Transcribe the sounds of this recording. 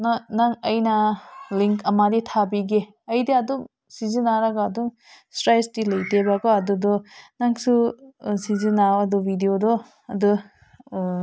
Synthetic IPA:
nanaŋɐjnɐliŋkɐmaditʰabiɡe | ɐjdiɐduŋ | sizinaɾaɡaːduŋ | stɾajsdilɐjtebaɡaɐdudɔnaŋsusizinawɐdubʱidiodɔ | ɐdu

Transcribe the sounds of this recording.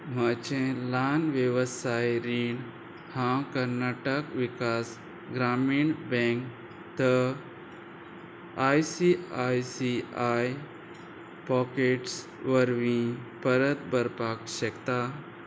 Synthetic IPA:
mat͡ɕẽlanʋjəʋəsajɾiɳ | hãkəɾnaʈəkʋikas | ɡɾamiːɳbɛ̃ŋk | t̪ə | ajsiajsiaj | pɔkeʈs | ʋəɾʋĩpəɾət̪bəɾpakɕəkt̪a

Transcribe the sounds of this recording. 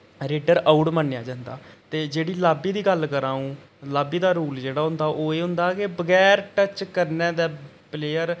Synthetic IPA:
ɾeːɖəɾaʊʈmənːejaːd͡ʒãːnd̪a̰ːt̪eːd͡ʒeːɽiːlaːbiːd̪iːɡəlkəɾãːũː | laːbiːd̪aːɾuːld͡ʒeːɽaːɦʊ̃nd̪aːʔoːeːɦʊ̃nd̪aːkebəɡɛːɾʈət͡ʃkəɾneːd̪ɛː | pleːəɾ

